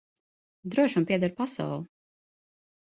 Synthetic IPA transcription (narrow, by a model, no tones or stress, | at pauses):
d̪ɾuɔʃumpʲiɛd̪aɾpasa̰wlˠu